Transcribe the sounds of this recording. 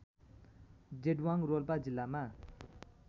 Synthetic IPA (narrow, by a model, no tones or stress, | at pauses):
d͡ʑedwaŋrolpad͡ʑilːama